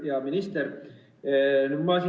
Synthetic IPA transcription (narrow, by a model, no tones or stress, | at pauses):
jɑminist̪er | nyd̪mɑsi